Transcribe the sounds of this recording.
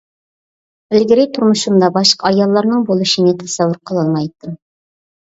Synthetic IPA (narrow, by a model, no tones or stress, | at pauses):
bɪlɡʲɪɾijt̪ʰʊɾmʊʃumd̪ɑbɑʃqɑɑjɑlˠːɑɾnɨŋbolˠuʃinet̪ʰɛsæwːʊɾqʰəlˠɑlˠmɑjt̪ːɨ